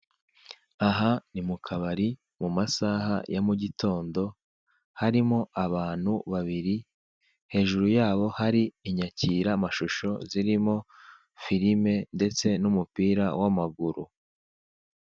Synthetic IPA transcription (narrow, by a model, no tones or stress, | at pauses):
aɦanimukʰaβaɾi | mumasaːɦa̰jamuɟito̞ːndo̞ | haɾimo̞ʔaβaːn̥huβaβiɾi | he̞ːʒuɾujaːβo̞haɾiːɲaciːɾamaʃuʃo̞̰ziɾimo̞ | fiɾime̞nde̞t͡se̞numupiːɾawamaɡuɾu